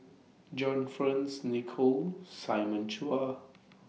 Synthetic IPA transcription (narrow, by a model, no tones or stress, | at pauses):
d͡ʒɔ̃nfɹãnsnikʰosaɪmə̃nt͡ʃʰua